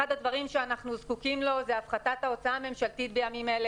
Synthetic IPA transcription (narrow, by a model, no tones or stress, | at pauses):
ad̪ad̪vaʁimʃeanaχnuzkukimlo̞zeafχatathao̞t͡saaːme̞mʃaltitbejamimele